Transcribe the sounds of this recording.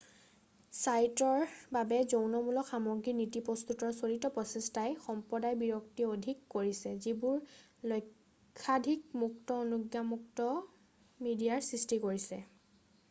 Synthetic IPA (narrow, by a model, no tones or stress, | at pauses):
sajtɔɹbabɛzownɔmulɔkxamɔɡɹinitipɔst̪utɔɹsolitɔpɹɔsɛstajxɔmpɹɔdajbiɹɔktiodʱikːoɹisɛzibʊɹ | lɔjkʰː | adʱikmuktɔonuɡjamuk̚tɔ | midijaɹsɹistikoɹisɛ̰